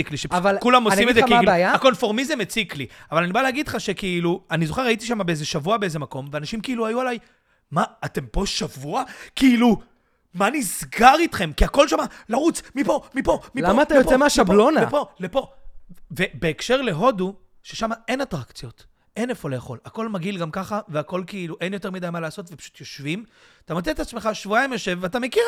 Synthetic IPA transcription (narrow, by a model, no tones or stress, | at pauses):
ikliʃevalkulamosimezekːbeajaako̞nfo̞ʁmizemet͡sikliavalanibaleaɡid̥lχaʃe̞kiiluanizo̞χe̞aitiʃamabeezeʃavuabeeze̞mako̞mveanaʃimkiiluajualaj | maːte̞mpo̞ʃavuakiilu | manizɡaʁitχe̞mkiako̞lʃamalaʁut͡smipo̞mipo̞milamattaejopoemeaʃablonaepo̞lepo̞ve̞beːkʃe̞ʁle̞ɦo̞du | ʃeʃamae̞natʁakt͡sjo̞t | e̞nefo̞leːaχo̞̰lako̞lmaɡilɡamkaχaveako̞lkeiluʔenjo̞te̞ʁmidajmalaːso̞tve̞pḁʃu̥tjo̞ʃvimt̪amot͡seetat͡smeχaʃvuajimjoʃe̞vatame̞kiʁ